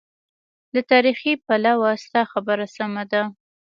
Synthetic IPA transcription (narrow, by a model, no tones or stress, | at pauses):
dlat̪ɑɾixipalawast̪ɑxabəɾasamad̪a